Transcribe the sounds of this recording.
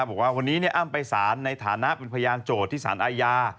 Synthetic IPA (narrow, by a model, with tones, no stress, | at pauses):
p̚bɔ˨˩k̚waː˥˩wa˧nːiː˦˥ni˥˩ʔa˥˩mpa˧jsaː˩˦nːa˧jt̪ʰaː˩˦na˦˥pe˧npʰa˧jaː˧ŋt͡ɕoː˨˩t̪ʰːiː˥˩sa̰ː˩˦nʔaː˧jaː˧